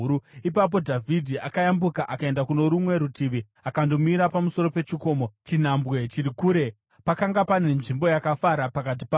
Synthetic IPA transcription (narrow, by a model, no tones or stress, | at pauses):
uip̬ap̬o̞dʱavʱidʱiʔakajambukaʔakae̞ndakuno̞ɾumwe̞ɾutʰiʋi | akando̞miɾapamuso̞ɾo̞pe̞t͡ʃiko̞ːmot͡ʃin̤ambɣe̞t͡ʃiɾikuːɾe̞ | pakaŋɡapane̞nʐimbo̞jakafaɾapakat̬i̥pa